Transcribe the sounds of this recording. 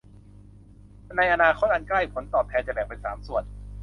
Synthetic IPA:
na˧jʔa˧naː˧kʰo˦˥t̪̚ʔa˧nkla˥˩jpʰo˩˦nt̪ɔː˨˩pʰɛː˧t͡ɕa˨˩bɛː˨˩k̚pa˧nsaː˩˦msu˨˩ət̪̚

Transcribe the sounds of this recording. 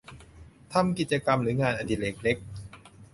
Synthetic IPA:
t̪ʰa˧mki˨˩t̪̚t͡ɕa˧ka˧mɾɯː˩˦ŋaː˧nʔa˧nd̪i˧˩le˨˦˩k̚le˦˥k̚

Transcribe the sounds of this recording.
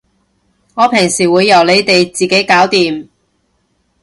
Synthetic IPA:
ŋɔː˨˧pʰɪ˨˩ŋsiː˨˩wuː˨˧jːɐ˨˩wle˨˧jt̪e˨jt͡siː˨ke˨˥jkaː˨˥wt̪iː˨m

